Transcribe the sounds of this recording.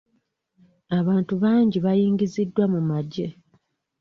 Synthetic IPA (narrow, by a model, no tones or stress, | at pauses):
aβaːntuβaːɲɟiβajiːŋɡizidːwamumaɟe̞